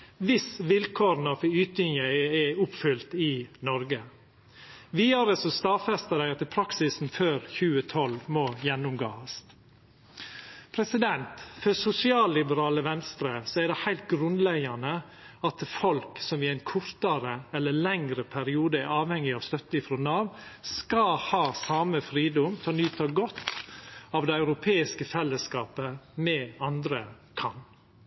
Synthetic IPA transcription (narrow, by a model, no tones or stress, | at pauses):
ʋɪsʋɪlkʰoːɾnɔfɔyːt̪̚ʏŋəɛʊpfʏlt̪ɪnɔɾɡə | ʋiːɑɾəsɔst̪ɑfɛst̪əd̪æɪɑt̪ːəpʰɾɑksɪsn̩føːɾçʉːət̪ʰɔlmɔjɛnːʊmɡo̰ːɑs | pʰɾɛsɪd̪ɛnt̪fœsʊsɪɑːlːɪbəɾɑːləʋɛnst̪ɾəsɔæɖ̪ɛhæɪlt̪̚ɡɾʉnlɛɡɑnə | ɑt̪fɔlksɔmɪæɪnkʰʊɾt̪ɑɾəɛlːəlɛŋɾəpʰæɾɪuːd̪əæɾɑːʋhɛŋːɪɑʋst̪œt̪ːəɪfɾɔnɑːʋskɑhɑːsɑːməfɾiːd̪ʊmt̪ʰɛɔnyːt̪ɑɡɔt̪ː | ɑːʋd̪ɛɑʉɾʊpʰeːɪskəfɛlːəskɑːpəmɛɑnd̪ɾə | kʰɑn